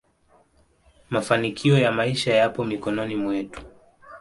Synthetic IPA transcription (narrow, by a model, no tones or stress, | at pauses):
mafanikʰiɔjamaiʃajapɔmikɔnɔnimwɛtu̥